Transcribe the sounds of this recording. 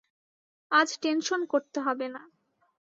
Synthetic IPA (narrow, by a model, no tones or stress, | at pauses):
ad͡ʑʈenʃonkoɾt̪eɦɔbena